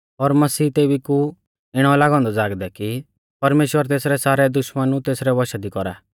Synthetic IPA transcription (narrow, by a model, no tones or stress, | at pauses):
ɔɾmɐsiːt̪eːbiku | ɪɽ̃ɔlaːɡɔ̃ːnd̪ɔd͡zaːɡd̪ɛki | pɐɾmeːʃwəɾt̪eːsɾɛsaːɾɛd̪ʊʃmənũt̪eːsɾɛʋɔʃad̪ikɔɾa̰ː